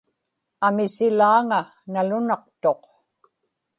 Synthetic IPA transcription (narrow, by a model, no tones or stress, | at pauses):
amɪsɪlaːŋa | nalʊnɑqt̪o̞q